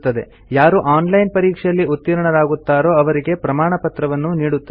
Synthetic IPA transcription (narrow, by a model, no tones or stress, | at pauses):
t̪ːɐd̪e̞̰ | jaːɾuʔaːnlɐjnpɐɾiːkʂjɐlːiut̪ːiɾɐɳɐɾaːɡut̪ːaːɾo̞ːɐʋɐɾiɡe̞pɾɐmaːɳɐpɐt̪ɾɐʋɐnːuniːɽut̪ːɐ